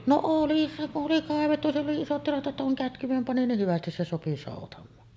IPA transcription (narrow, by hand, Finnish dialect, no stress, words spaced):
no oli oli kɑˑeʋetːu sielː oli isot tilɑt ʔetːæ kuŋ kætkyʋ̆em pɑni nih hyʋæstis se sopi soˑutɑmˑɑːn